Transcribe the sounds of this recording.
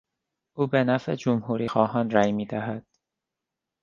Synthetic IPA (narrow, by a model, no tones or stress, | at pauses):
ʔuːbenæfḛd͡ʒomhuːɾiːxɒːɦɒːnɾæːjmiːd̪æɦæd̪̥̚